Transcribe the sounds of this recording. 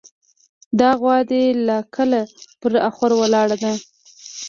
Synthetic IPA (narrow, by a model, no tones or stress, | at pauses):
d̪ɑɣwɑd̪elakʰəlapəɾaxwaɾwəlɑɽad̪a